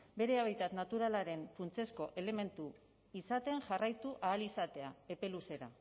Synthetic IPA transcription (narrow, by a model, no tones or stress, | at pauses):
be̞ɾe̞aβajt̪at̪nat̪uɾalaɾe̞nfunt͡se̞sko̞ʔe̞le̞me̞nt̪u | isat̪e̞nʝarajt̪uʔaːlisat̪e̞ae̞pe̞luse̞ɾa̰